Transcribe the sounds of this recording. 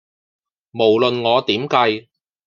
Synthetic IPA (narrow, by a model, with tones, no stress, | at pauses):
mo˨˩wlɵ˨nŋɔː˨˧t̪iː˨˥mkɐ˧j